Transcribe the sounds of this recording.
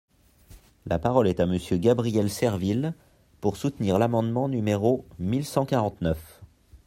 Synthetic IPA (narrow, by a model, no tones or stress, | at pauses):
lapaʁɔlɛt̪aməsjøɡabʁijɛlsɛʁvil | puʁsut̪niʁlamɑ̃d̪mɑ̃nymeʁomilsɑ̃kaʁɑ̃t̪nœf